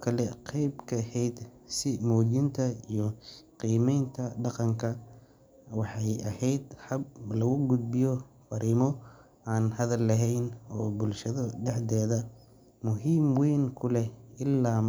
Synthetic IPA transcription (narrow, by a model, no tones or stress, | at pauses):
kʰɐlɛqɛjbkʰɐhɛjd̪sɪmɔːd͡ʒɪnt̪ʰɐijɔqiːmɛjnt̪ʰɐɖɑqɑŋkʰɐ | wɑħɑjɐhɛjd̪ħɐb̚lɐɣʊɡʊd̪̚bɪjɔfɐɾʔiːmɔ | aːnhɐðɐlːɐɦɛjnɔːbʊlʃɐðɐɖɛħd̪ɛːðɐ | mʊɦiːmwɛːŋkʰʊlɛɪlːaː